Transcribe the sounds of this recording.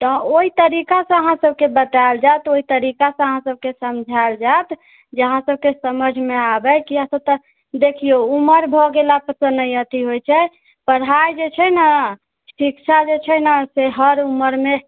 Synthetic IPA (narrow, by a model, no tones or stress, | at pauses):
t̪ɔoɦit̪əɾikasə̃əɦãsəbʱkebət̪ad͡ʒajt̪oɦit̪əɾikasə̃əɦãsəb̚kesəmd͡ʒʱald͡ʒat̪ | d͡ʒəəɦãsəb̚kesəməd͡ʒʱmeabɛkiɦãsəb̚t̪ə | d̪ekʰiouməɾbʱɔɡelapəsənəjət̪iɦojt͡ʃʰɛ | pəɽ̤ajd͡ʒet͡ʃʰɛnə | sikt͡ʃʰad͡ʒet͡ʃʰɛnəseɦəɾuməɾme